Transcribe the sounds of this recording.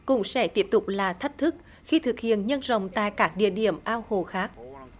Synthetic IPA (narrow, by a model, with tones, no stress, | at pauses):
kʊ̰˧˥ŋ͡msɛ̰˧˥t̪i˦˥əp̚t̪ʊ˨˩k͡p̚laː˨˩t̪ʰə˦˥jk̟̚t̪ʰɨ˦˥k̚ | xi˧t̪ʰɨ˨˩k̚hḭ˧˨ənɲə˧nzə̰˧˨wŋ͡mt̪a̰ː˧˨jkaː˦˥k̚ɗḭ˧˨əɗi˧˩əmʔaː˧who˨˩xaː˦˥k̚